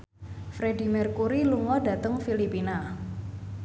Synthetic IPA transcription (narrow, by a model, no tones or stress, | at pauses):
fɾedi̤mɛrkuɾiluŋɔda̤t̪əŋfilipina